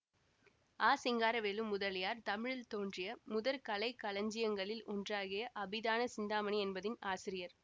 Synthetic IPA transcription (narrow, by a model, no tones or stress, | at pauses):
aːsɪŋɡaːɾɐʋeːlɯmːʊðɐlɪjaːɾt̪ɐmɪɻɪlt̪oːndrɪjɐmʊðɐɾkɐlɐɪkːɐlɐɲd͡ʒɪjɐŋɡɐɭɪlɔndraːɣɪjɐʔɐbɪðaːnɐsɪnd̪aːmɐniɛnbɐðɪnaːsɪɾɪjɐɾ